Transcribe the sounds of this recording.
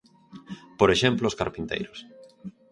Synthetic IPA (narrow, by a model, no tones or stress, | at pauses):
poɾeʃemploːskaɾpint̪ḛjɾʊs